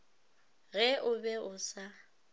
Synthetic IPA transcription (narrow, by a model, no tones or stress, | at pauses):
ɣɛʔʊbɛʊsa